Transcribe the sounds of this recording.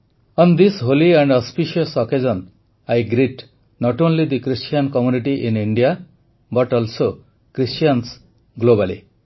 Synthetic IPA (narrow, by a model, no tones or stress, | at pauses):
ʌnd̪isɦoliɛ̃ɳɖʌspiʃiɔsɔkezɔn | ajɡɾiʈ | nɔʈõnlid̪ikɾisʈijankɔmjuniʈiʔĩniɳɖija | bʌʈɔlso | kɾisʈijans | ɡlobalḭ